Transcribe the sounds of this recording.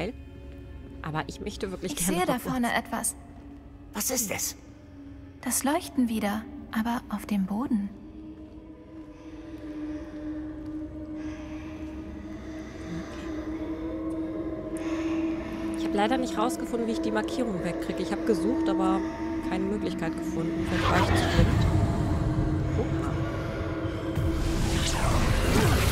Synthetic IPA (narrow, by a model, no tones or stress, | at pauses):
ɪl | ʔaːbɐʔɪçmœçtəvɪɐklɪçɪçɡ̥ɛɐneːədafɔɐnəʔɛ̰tv̥a̰s | vasɪstɛs | d̥aslɔʏçtn̩viːdɐʔaːbɐʔaʊfd̥eːmboːdn̩ | ʔɪçhaːbəlaɪɾɐnɪçtʁaʊsɡ̥əfʊndn̩viːɪçd̥iːmaɐkʰiːʁ̞ʊŋvɛkːʁ̥iːɡəɪçhaːbəɡəzuːχtʔaːbɐaʊx | kʰaɪnəmøːklɪçkʰaɪtɡ̥əfʊndn̩fɛɐɡlaɪç̥ɛːkt | poa̰